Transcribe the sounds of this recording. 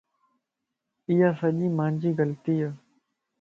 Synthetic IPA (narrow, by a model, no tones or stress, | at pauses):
ɪjaːsəʄiːmãːɲd͡ʒiːɡəlt̪iːaː